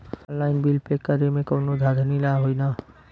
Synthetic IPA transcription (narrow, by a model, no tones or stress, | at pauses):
nlaːɪnbilpekːəɾemẽkoːnod̪ʱad̪ʱnilaɦoinaː